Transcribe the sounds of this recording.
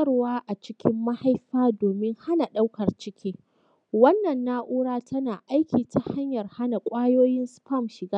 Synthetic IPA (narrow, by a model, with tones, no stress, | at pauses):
ɐ˦rwaː˦ʔa˨t͡ʃɪ˦kʲɪ˦mːa˦ha˦jɸaː˦doː˨mɪ˦ŋha˦na˨ɗa˦wkɐ˨rt͡ʃɪ˦kʲʰiː˦ | wɐ˦nːɐ˨nːaː˦ʔuː˦ɽaː˦tʰɐ˦naː˨ʔa˦jkʲiː˨ta˨ha˦ɲjɐ˨rha˦na˨kʷʼaː˦joː˦jɪ˦nspɐ˦˨mʃɪ˨ɡaː˦